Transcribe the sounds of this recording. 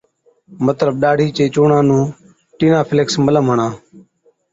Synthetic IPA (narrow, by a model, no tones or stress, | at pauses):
mət̪ləɓɗaːɖʱiːt͡ʃeːt͡ʃoːɳãːnũː | ʈiːnãːpʰɪleksmələmɦəɳãː